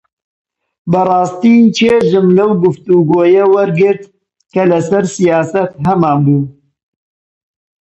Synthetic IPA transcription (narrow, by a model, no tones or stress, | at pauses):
bɐrɑːst̪it͡ʃʰeːʒɨmlɐwɡʊft̪uɡoːjɐwɐɾɡɪɾt̪̚ | kɐlɐsɐɾsijɑːsɐt̪ɦɐmaːnbuː